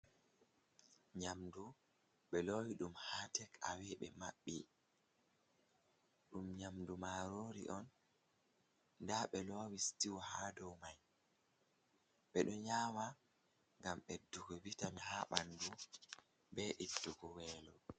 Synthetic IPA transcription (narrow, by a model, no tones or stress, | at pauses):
ɲamdu | ɓɛlowiɗumhaːtɛkʰa̰wɛɓɛ̰maɓːi | ɗumɲamdumaɾoːɾḭʔɔn | daɓɛlɔwistiwɔhaːdɔwmaj | ɓɛɗɔɲaːma | ŋɡamɓɛdːuɡɔwitanhaɓandu | bɛʔidːuɡɔwɛːlɔ